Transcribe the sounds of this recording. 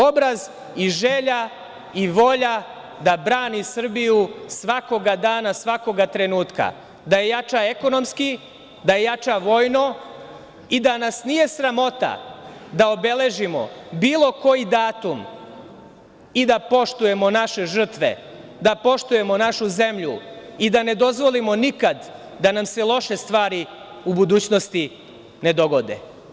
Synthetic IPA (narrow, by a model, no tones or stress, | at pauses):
o̞bɾaz | iʒeːʎa | iʋo̞ʎa | d̪abɾaːnisr̩bijusʋako̞ɡad̪aːnasʋako̞ɡat̪ɾe̞nuːt̪ka̰ | d̪aje̞jat͡ʃae̞ko̞no̞mski | d̪aje̞jat͡ʃaʋo̞ːjno̞ | id̪anasnije̞sɾamo̞t̪a̰d̪aobe̞le̞ʒimo̞̰biːlˠo̞ko̞jid̪aːt̪um | id̪apo̞ʃt̪uje̞mo̞naʃe̞ʒr̩t̪ʋḛ | d̪apo̞ʃt̪uje̞mo̞naʃuze̞mʎuid̪ane̞d̪o̞zʋo̞limo̞nikad̪ | d̪anamse̞lˠo̞ʃe̞st̪ʋaːɾi | ubud̪uːt͡ɕno̞st̪i | ne̞d̪o̞ɡo̞d̪ḛ